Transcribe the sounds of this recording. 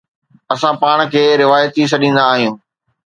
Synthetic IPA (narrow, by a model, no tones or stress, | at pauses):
ɐsãpaːɽ̃kʰeːɾɪʋaːjət̪is̬ɐɗĩːn̆d̪aːɦijũː